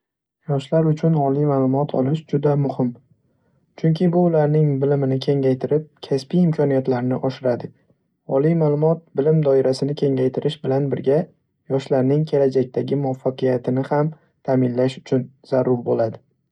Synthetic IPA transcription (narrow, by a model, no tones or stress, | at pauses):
jɒʃlaɾʊt͡ʃʰʊnɒlijmaːlˠʊmɒt̪ʰɒ̰lɪʃd͡ʒʊd̪amʊhɪm | t͡ʃʰʊŋkʲʰɪbʊːlaɾnɪŋbɪlɪmɪnɪkʲʰe̞ŋajt̪ʰɪɾɪp̚kʲʰaspijɪmkʲʰɒnijat̪laɾnɪʔɒʃɪɾad̪ɪ | ɒlijmaːlˠʊmɒt̪̚bɪlɪmd̪ɒɪɾasɪnɪkʲʰe̞ŋajt̪ʰɪɾɪʃbɪlanbɪɾɡʲa | jɒʃlaɾnɪŋkʲʰe̞lad͡ʒak̚ʲt̪ʰaɡʲɪmʊafːaqɨjat̪ʰɪnɪham | t̪ʰaːmɪnlaʃʊ̥t͡ʃʰʊnz̥aɾʊɾbolad̪ɪ